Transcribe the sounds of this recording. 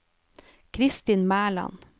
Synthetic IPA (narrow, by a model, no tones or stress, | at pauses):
kʰɾɪst̪ɪnmæːɭɑ̰n